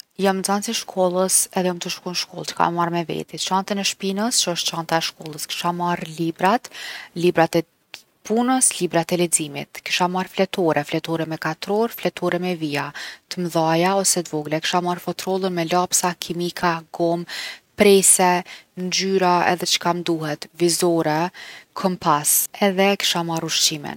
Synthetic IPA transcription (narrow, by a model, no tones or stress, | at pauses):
jamzansiʃkʰɔlˠəsɛðɛamt̪əʃkunʃkɔ̰lˠt͡ʃə̥kʰa̰mɛmaɾmɛvɛ̰t̪it͡ʃant̪ənɛʃpinəst͡ʃəəʃt̪t͡ʃant̪aɛʃkɔlˠəski̥ʃamarlibɾat̪libɾat̪ɛ | punəslibɾat̪ɛlɛd͡zimḭt̪ki̥ʃamarflɛt̪ɔɾɛflɛt̪ɔɾɛmɛkat̪ɾɔɾflɛt̪ʰɔɾɛmɛviat̪əmðajaɔsɛt̪vɔɡlɛki̥ʃamarfɔt̪ɾɔlˠənmɛlapsakʰimikʰaɡɔmpɾɛsɛnd͡ʒyɾaɛ̰ðɛt͡ʃə̥kamd̪uhɛt̪vizɔɾɛkʰɔmpʰasɛðɛki̥ʃamaɾuʃt͡ʃimḭn